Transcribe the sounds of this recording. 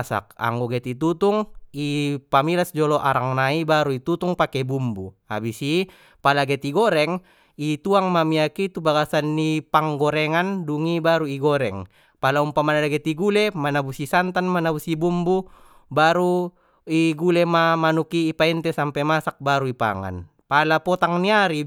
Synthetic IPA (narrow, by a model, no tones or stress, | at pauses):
sa̰k̚a̰ŋɡoɡɛt̪it̪̬ut̪uŋipamilasd͡ʒɔlɔʔaɾaŋnaibaɾuit̪ut̪uŋpakɛbumbu | a̰bisi | palaɡɛt̪iɡɔɾɛŋ | it̪uaŋmamiakit̪ubaɡasanːipaŋɡɔɾɛŋanduŋibaɾuiɡɔɾɛŋ | palaumpamanalaɡet̪iɡulemanabusisant̪anmanabusibumbu | baɾu | iɡulemamanukiːpaint̪ɛsampɛmasak̚baɾuipa̰ŋa̰n | palapɔt̪aŋniaɾi